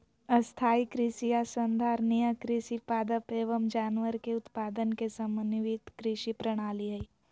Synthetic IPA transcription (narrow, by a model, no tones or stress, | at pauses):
əst̪ʰaːikɾɪʃijasənd̪ʱaːɾnijakɾɪʃipaːd̪əpeːʋəmd͡ʒaːnʋəɾkeʊt̪paːd̪ənkesəmənʋit̪kɾɪʃipɾəɽ̃aːliɦəi